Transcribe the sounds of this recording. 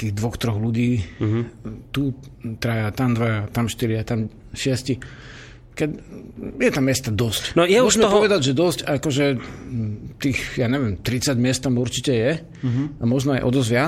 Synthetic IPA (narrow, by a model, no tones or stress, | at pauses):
t̪iːɣd̪ʋɔxt̪ɾɔɣluɟiː | t̪ut̪ɾajat̪amd̪ʋajat̪amʃt̪iɾiat̪am | ʃɪɛsci | kɛcjɛt̪amːɛst̪ad̪ɔscnɔjɛɔʒɛmɛɔpɔɔʋɛd̪aɟʒɛd̪ɔscakɔʒɛ | t̪iːxjaːɲɛʋɪɛmt̪ɾit͡saɟmɪɛst̪ːamuɾt͡ʃicɛjɛ | amɔʒnɔajʔɔ̰d̪ɔzʋɪa